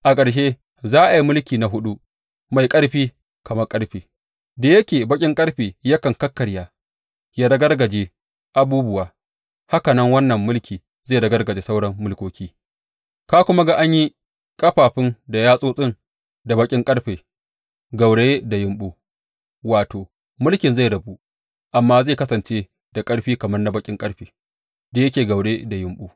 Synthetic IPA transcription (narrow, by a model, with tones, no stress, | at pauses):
ʔa˨kʼɐ˨ɽʃ̬e˦ | zaː˦ʔa˨ji˦mʊ˦lkʲiː˨na˨ɦʊ˦ɗu˦ | ma˨jkʼɐ˦ɽɸiː˦ | kɐ˨mɐ˦kʼɐ˦ɽɸeː˨ | da˨jɐ˦kʲeː˨bɐ˦kʲʼɪ˦ŋkʼɐ˦ɽɸeː˨jɐ˦kɐ˨ŋkɐ˦kːɐ˨ɽjaː˦ | jaː˦dɐ˦ɡɐ˦rɡɐ˨d͡ʒeː˦ | ʔa˨buː˦bʊ˦waː˨ | ha˦kɐ˨nɐ˦ŋwɐ˦nːɐ˨mːʊ˦lkʲʰiː˨ | zeː˦˨dɐ˦ɡɐ˦rɡɐ˨d͡ʒeː˨sa˦wɽɐ˦mːʊ˦lkʷoː˦kʲiː˦ | kaː˦kʷʊ˦ma˦ɡa˨ʔa˦ɲji˦ | kʼɐ˦ɸaː˨ɸɪ˦nda˨jaː˦sʼoː˦sʼɪ˦n | da˨bɐ˦kʲʼɪ˦ŋkʼɐ˦ɽɸeː˨ | ɡa˨wɽeː˦da˨jɪ˨mɓuː˦ | waː˨toː˨ | mʊ˦lkʲɪ˨nza˦˨jdɐ˨bu˦ʔ | ʔa˨mːaː˦za˦˨kɐ˦sɐ˨nt͡ʃeː˦ | d̥a˨kʼɐ˦ɽɸiː˦kɐ˨mɐ˦rna˦bɐ˦kʲʼɪ˦ŋkʼɐ˦ɽɸeː˨ | da˨jɐ˦kʲeː˨ɡɐ˨wɽeː˦da˨jɪ˨mɓuː˦